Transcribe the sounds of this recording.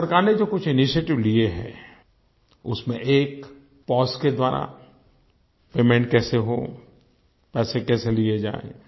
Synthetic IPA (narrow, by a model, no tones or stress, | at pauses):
pɐɾkaːɾned͡ʒoːkʊt͡ʃʰɪniʃieːʈɪʋlieɦɛ̰ː | ʊsmḛ̃ʔeːk | pɔːsked̪waːɾa̰ | peːmẽɳʈ̚kɛːseɦo̰ | pɛːsekɛːselied͡ʒa̰ːḛ̃